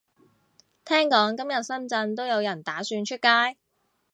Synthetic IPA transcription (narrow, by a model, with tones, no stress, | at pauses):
t̪ʰɛː˥ŋkɔː˨˥ŋkɐ˥mjɐ˨t̚sɐ˥nt͡sɐ˧nt̪̬o˥wjɐ˨˧wjɐ˨˩nt̪aː˨˥syː˧nt͡ʃʰɵ˥t̚kaː˥j